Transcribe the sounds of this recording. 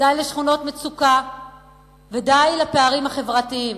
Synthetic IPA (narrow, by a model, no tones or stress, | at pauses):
dajleʃχuno̞tmet͡suka | vedajlapeaʁimhaχe̞vʁatiim